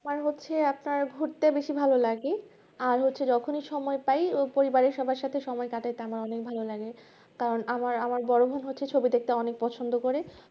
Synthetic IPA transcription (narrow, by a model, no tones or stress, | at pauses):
amaɾɦotːɕʰeapnaɾbʱuɾt̪abeʃibʱalolaɡe | aɾɦotːɕʰed͡ʑɔkʰoniʃɔmɔepajpoɾibaɾeɾʃɔbʱaɾʃat̪ʰeʃɔmɔekaʈajt̪eamaɾɔnek̚bʱalolaɡe | kaɾonamaɾamaɾbɔɾobʱonɦotːɕʰet͡ɕʰobid̪ek̚t̪aɔnek̚pɔt͡ɕʰond̪okoɾe